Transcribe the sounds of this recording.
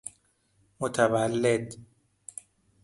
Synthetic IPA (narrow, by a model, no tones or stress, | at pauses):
mot̪ʰævælːed̪